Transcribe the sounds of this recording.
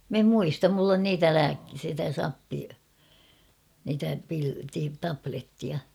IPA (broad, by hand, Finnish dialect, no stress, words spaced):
m em muistɑm mulː on niːtæ læːk sitæ sɑpːi niːtæ pil ti tɑpletːiɑ